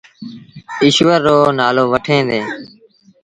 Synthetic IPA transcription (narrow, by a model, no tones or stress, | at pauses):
ɪʃʋəɾːoːnaːloːʋəʈʰẽːd̪eː